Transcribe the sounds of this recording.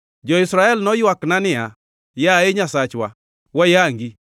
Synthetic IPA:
d͡ʒɔisɾaɛlnɔjaknanɪa | jaeɲasat͡ʃwa | wajaŋɡi

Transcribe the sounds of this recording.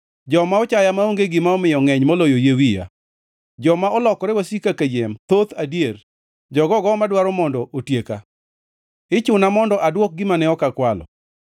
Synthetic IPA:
d͡ʒɔmaɔt͡ʃajamaoŋɡeɡɪmaɔmɪjɔŋɛɲmɔlojojewija̰ | d͡ʒɔmaʔɔlɔkɔɾɛwasikaked͡ʒemt̪ot̪adier | d͡ʒɔɡɔɡɔmadwaɾɔmɔndɔʔotjeka̰ | ɪt͡ʃʊnamɔndɔʔadwɔk̚ɡɪmanɛɔkakwalɔ̰

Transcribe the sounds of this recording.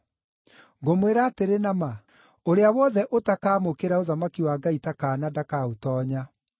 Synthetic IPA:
ŋɡomweɾateɾenama | oɾeawɔðɛʔotakaːmokeɾaoðamakiwaːɡaitakaːnadakaotɔːɲa

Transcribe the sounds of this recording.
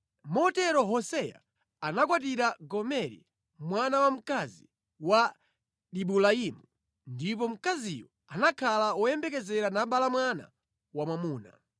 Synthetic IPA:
mɔtɛɾɔɦɔsɛja̰ː | nakwat̬iɾaɡɔmɛɾḭ | mwanawam̩kazi | wa | ɗiɓulaimu | ndip̬ɔm̩kaziwɔ | anakʰalaɔjɛmbɛkɛzɛɾanaɓalamwana̰ | wamwamuːna̰

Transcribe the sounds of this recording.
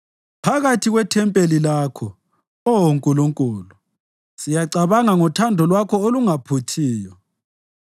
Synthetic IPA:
pʰaɣatʰiɣwɛtʰɛmpʼelilaːkʰɔ | ɔoŋkʼuluŋkʼuːlu | sijaǀaβaŋaŋɔtʰandʱɔlwakʰɔoluŋapʰutʰiːjɔ

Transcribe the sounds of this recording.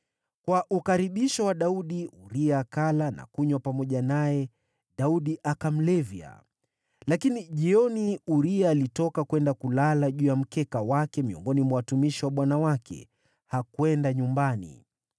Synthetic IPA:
kwaʔukaɾiɓiʃɔwaɗauɗiuɾiaːkalana̰kuɲwapamɔʄanajɛ | ɗauɗiʔakam̩lɛvja̰ | lakiniʄiɔniuɾiaːlitɔkakwɛndakulalaʄujam̩kɛkawakɛmiɔ̰ŋɡɔnimawatumiʃiwaɓwanawakʰɛ̰ | hakwɛndaɲumbanḭ

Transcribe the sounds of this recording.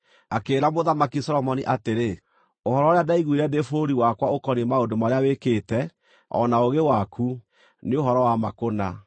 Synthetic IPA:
akeːɾamoðamakisɔɾɔmɔniʔateɾe | ohɔɾɔoɾeadaiɣwiɾɛdefoɾiwakwaokɔnimaodomaɾeawekeːtɛ | ɔ̰naoɣewakʰu | neoɦɔɾɔwamakona

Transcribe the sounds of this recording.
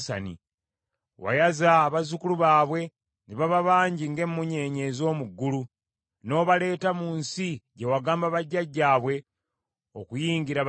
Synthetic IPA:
sa̰nḭ | wa̰jazaːβazukuluβaːβwe̞ | niβaβaβaːɲɟiŋɡe̞mːuɲe̞ɲe̞ːzo̞ːmuɡːulu | no̞ːβale̞ːtamuːnsiɟe̞waɡaːmbaβaɟːaɟːaːβwe̞ | okujiːŋɡiɾa

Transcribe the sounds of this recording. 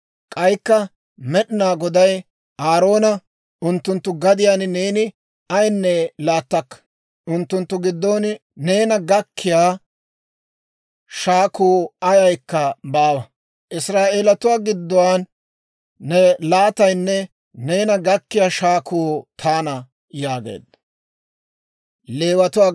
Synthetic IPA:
kʼɐjkːɐ | mɛɗɪnaːɡɔd̪ɐj | aːɾo̞ːnɐ | ʔʊnt̪ːʊnt̪ːʊɡɐd̪ɪjaːnneːnɪ | ɐjnːɛlaːt̪ːɐkːɐ̥ | ʔʊnt̪ːʊnt̪ːʊɡɪd̪ːoːnne̞ːnɐɡɐkːɪjaː | ʃaːkuːɐjɐjkːɐbaːwɐ | ʔɪsɾaːʔeːlɐt̪ʊwaːɡɪd̪ːɔwaːnː | ɛlaːt̪ɐjnːɛ | ne̞ːnɐɡɐkːɪjaːʃaːkʰuːt̪ʰaːnɐ | jaːɡḛːd̪ːɐ | le̞ːwɐt̪ʊwaː

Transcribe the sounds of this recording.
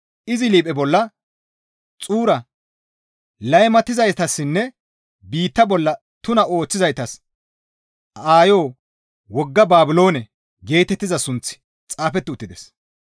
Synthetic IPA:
ʔɪzɪliːpʼɛbɔlːɐ | t͡sʼuːɾɐ | lɐjmɐt̪ːɪzɐjt̪ɐsːɪnːɛ | biːt̪ːɐbɔlːɐ | t̪ʊnɐo̞ːt͡sːɪzɐjt̪ɐs | aːjo̞ː | wɔɡːɐbaːbɪlo̞ːnɛ | ɡe̞ːt̪ɛt̪ːɪzɐsʊnt͡sɪ̥ | t͡sʼaːfɛt̪ːɪʊt̪ːɪd̪ɛs

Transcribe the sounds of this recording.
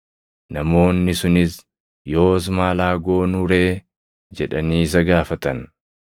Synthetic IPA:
nɐmo̞ːnːɪsʊnɪs | jo̞ːs̬maːlaːɡo̞ːnʊɾe̞ː | d͡ʒɛᶑɐniːs̬ɐɡaːfɐt̪ɐn

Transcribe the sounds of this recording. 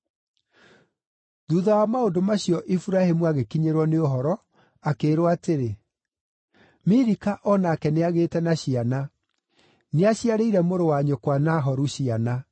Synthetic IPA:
ðuːðawamaodomaɕijɔʔifuɾahemuaɣekiɲeɾwɔneoɦɔɾɔ | akeːɾoateɾe | miɾikaʔɔnaːkɛneaɣeːtɛnaɕiana | neaɕiaɾeiɾɛmoɾowaɲokwanaɦɔɾuɕiana

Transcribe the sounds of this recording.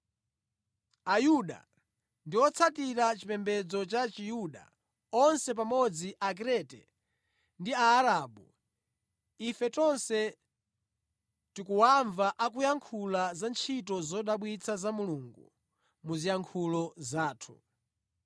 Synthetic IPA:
ajuɗa̰ | ndiwɔt͡sʰatiɾat͡ʃipɛmbɛd͡zɔt͡ʃat͡ʃijuɗa̰ | ɔnsɛpamɔd͡ziʔak̬ɾɛtɛ̰ | ndiaːɾaːɓu | ifɛtɔnsɛ | tikuwaɱvaʔak̬ujaŋkʰulazant͡ʃʰit̬ɔzɔɗaɓwit͡sʰazamuluːŋɡṵ | muzijaŋkʰulɔzaːtʰu̥̰

